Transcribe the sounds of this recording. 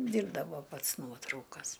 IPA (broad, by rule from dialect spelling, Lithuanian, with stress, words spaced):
ˈdʲiːrbdɐʋoː ˈpɐts ˈnuɔtrɐʊkɐs